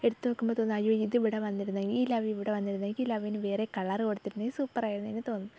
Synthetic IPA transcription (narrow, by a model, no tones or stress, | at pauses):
e̞ɽut̪ːunokːumbot̪oːnːɐjoːiðɨʋiɽɐʋɐnːiɾunːɐŋɡiːlɐʋiiʋiɽɐʋɐnːiɾunːɐŋilɐʋijnɨʋeːrekɐɭɐrɨkoɽut̪ːiɾunːesuːpːɐraːjiɾunːenːet̪o̞ːnːu